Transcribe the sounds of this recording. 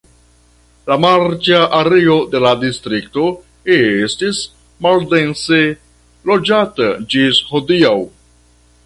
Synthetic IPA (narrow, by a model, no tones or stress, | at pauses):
lamaɾt͡ʃaʔaɾeo̞de̞ladistɾik̚to̞ | estis | malde̞nse | lo̞d͡ʒatad͡ʒisho̞diaw